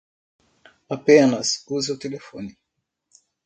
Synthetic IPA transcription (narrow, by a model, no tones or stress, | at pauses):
apɛnasuzɛutɛlɛfɔni